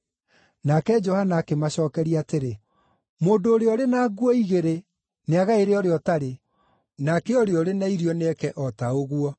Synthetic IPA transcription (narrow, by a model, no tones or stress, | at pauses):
nakɛd͡ʒɔhanaːkemaɕɔːkɛɾiaːteɾe | moːndoːɾeɔɾenaːɡwɔiɣeɾe | neaɣaeɾeɔɾeɔtaɾe | nakeɔɾeɔɾenaiɾiɔneɛkɛʔɔtaoɣwɔ